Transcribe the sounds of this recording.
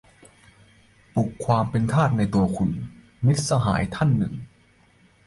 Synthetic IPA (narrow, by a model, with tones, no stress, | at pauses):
pu˨˩kʰːwaː˧mpe˧nt̪ʰaː˥˩t̪̚na˧jt̪u˧ɐkʰu˧n | mi˦˥t̪̚sa˧ɦa̰ː˩˦jt̪ʰa˥˩nːɯ̰˨˩ŋ